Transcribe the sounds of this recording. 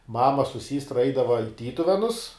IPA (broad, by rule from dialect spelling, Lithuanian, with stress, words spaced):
ˈmɑːmɐ sʊ ˈsʲiːstrɐ ˈɛɪdɐʋɐ ɪ ˈtʲiːtʊʋʲɛnʊs